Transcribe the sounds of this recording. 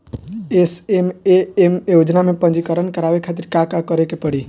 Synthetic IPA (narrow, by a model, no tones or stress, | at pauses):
esemeemeud͡ʒnamẽpə̃nd͡ʒikəɾənkəɾaʋekʰat̪iɾkakakəɾekepəɽi